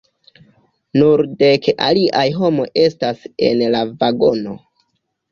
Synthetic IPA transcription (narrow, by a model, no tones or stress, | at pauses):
nuɾde̞kʔa̰liʔajɦo̞mo̞jʔe̞stase̞̰nlavaɡo̞no̞